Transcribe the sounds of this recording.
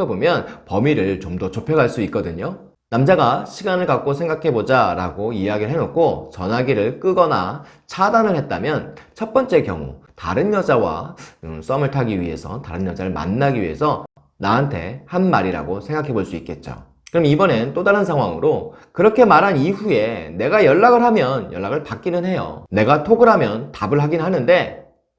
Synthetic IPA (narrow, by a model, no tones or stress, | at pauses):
ʌbomjʌnpʌmiɾɯɭt͡ɕomdʌt͡ɕopʰjʌɡaɭs͈uit̚k͈ʌdɯɲo | namd͡ʑaɡaɕʰiɡanɯɭkak̚k͈osʰeŋɡakʰe̞bod͡ʑaɾa̰ɡoiaɡiɾɯɭɦenot̚k͈ʰot͡ɕʌnɦaɡiɾɯɭk͈ɯɡʌna̰ | t͡ɕʰadanɯɭhe̞t̚t͈amjʌnt͡ɕʰʌt̚p͈ʌnt͡ɕ͈e̞kjʌŋṵta̰ɾɯnjʌd͡ʑawa̰s͈ʌmɯɭtʰaɡiɥiɦe̞̰sʰʌ̰taɾɯnjʌd͡ʑaɾɯɭma̰nːaɡiɥḭɦe̞̰sʰʌ | naɦantʰe̞̰hanmaɾiɾa̰ɡosʰe̞ŋɡakʰe̞boɭs͈uik̚k͈e̞t̚t͡ɕ͈o̰ | kɯɾmibʌne̞nt͈odaɾɯnsʰaŋɦwaŋɯɾokɯɾʌkʰe̞maɾɦaniɦue̞ne̞ɡajʌɭːaɡɯɭɦamjʌnjʌ̰ɭːaɡɯɭpak͈inɯnɦe̞jo̰ne̞ɡatʰoɡɯɾɦamjʌntabɯɭɦaɡinnɦanɯnde̞